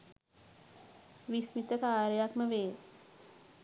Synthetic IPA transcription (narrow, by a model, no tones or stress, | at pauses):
ʋismit̪əkaːɾəjakməʋeː